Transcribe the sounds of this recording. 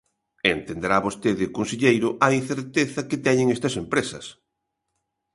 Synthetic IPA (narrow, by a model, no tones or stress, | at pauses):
ent̪end̪eɾaβost̪eðɪkonseʎejɾʊʔɐinθeɾt̪eθɐkɪt̪ɛɲɪŋest̪ɐsempɾesɐ̰s